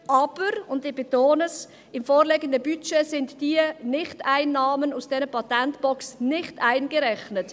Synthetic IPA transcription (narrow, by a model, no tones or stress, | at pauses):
ʔɑːb̥əɾʊndɪb̥etoːnəs | ɪmfoːɾleɡəndəbyt͡ʃesɪntd̥iənɪχtaɪnːɑːmənusd̥ɛnəpɑtɛntb̥ɔksnɪχtaɪnɡ̥əɾɛχnət